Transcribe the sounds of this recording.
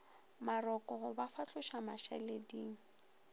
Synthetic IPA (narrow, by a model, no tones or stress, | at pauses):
marɔkʼɔhʊbafat͡ɬʊʃamaʃɛ̰lediːŋ̩